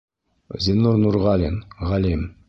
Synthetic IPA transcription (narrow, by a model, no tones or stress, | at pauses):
zinːuɾnuɾʁɑlinʁalim